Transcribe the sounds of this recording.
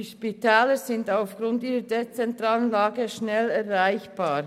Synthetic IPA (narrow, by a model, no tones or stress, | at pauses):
iʃpitʰɛːləzɪndaʊfɡ̥ɾʊntiːɾədet͡sɛntʁaːlənlaːɡəʃnɛlɛɾʁaɪçb̥aːɾ